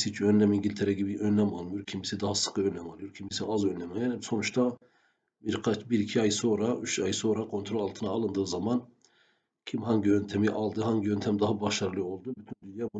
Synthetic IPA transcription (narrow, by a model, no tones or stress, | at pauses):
sit͡ʃʰønlʲɛmiɲɟilʲt̪ʰeɾɛɟibiʔønːɛmalˠmɯjo̞ɾcʰimisid̪ɑɦasɯ̥kʰɯønlʲɛmɑlˠɯjoɾcʰimisiazønlʲɛmaanɛso̞nut͡ʃt̪ʰa | biɾkʰat͡ʃbiɾicʰiajso̞nɾayt͡ʃajso̞nɾakʰo̞nt̪ʰɾo̞lʲalˠt̪ʰɯnaːlˠɯnd̪ɯːzaman | cʰimhaɲɟiønt̪ʰɛmiʔɑlˠd̪ɯɦaɲɟiønt̪ʰɛmd̪aɦabaʃaɾɯlˠɯo̞lˠd̪ubyt̪ʰynd̪ynjabu